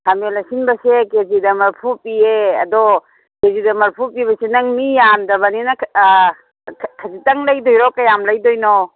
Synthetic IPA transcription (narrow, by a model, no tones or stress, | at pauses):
hʰamelasinbɐsekezidɐmɐɾpʰupieɐ̰dɔ | kezidɐmɐɾpʰupiβɐsenɐŋmijamdɐβɐninɐ | kʰɐzitɐŋlɐjdɔjɾɔkɐjamlɐjdɔjnɔ